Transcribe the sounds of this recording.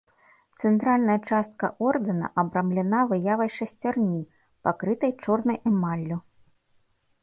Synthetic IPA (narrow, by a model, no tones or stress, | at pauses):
t̪sɛnt̪ɾalʲnɐjɐt͡ʂast̪̚kɐ̰ʔɔrd̪ɨnɐ̰ʔɐbɾamlʲɛnavɨjavɐjʂɐsʲt͡sʲarnʲi | pakɾɨt̪ɐjt͡ʂɔrnɐjɛmalʲːu